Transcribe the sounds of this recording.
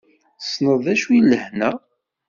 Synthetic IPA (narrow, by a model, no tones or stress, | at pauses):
snəðˤæʃujlːəhnæ